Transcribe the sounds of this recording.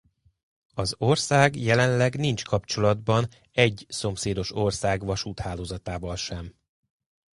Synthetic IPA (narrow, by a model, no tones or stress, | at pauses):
ɒzorsaːɡjɛlɛnlɛɡnint͡ʃkɒpt͡ʃo̞lɒd̪bɒn | ɛɟso̞mseːd̪o̞ʃo̞rsaːɡʋɒʃut̪haːloːzɒt̪aːvɒlʃɛm